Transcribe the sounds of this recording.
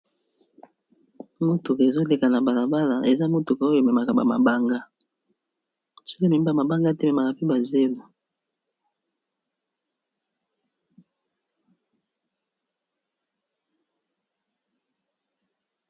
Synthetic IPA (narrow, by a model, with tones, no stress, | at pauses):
mo˦to˨ke˨zo˦le˨ka˨na˨ba˨la˨ba˦la˨ʔe˨za˦mo˦to˨ko˦jo˨me˨ma˨ka˨ba̰˨ma̰˨ba˦ŋɡa˦ | so̥˦kme˨m˦ba˦˨ma˨ba˦ŋɡa˦te˦me˨ma˨ka˨pi˦ba˨ze˦lo˨